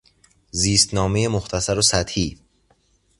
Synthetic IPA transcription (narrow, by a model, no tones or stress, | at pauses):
ziːst̪nɒːme̞jemoxt̪ʰæsæɾosæt̪hiː